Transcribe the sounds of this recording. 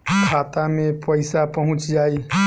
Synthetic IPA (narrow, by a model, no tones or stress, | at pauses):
kʰaːt̪amẽpəɪsapəɦʊ̃t͡ʃd͡ʒaːiː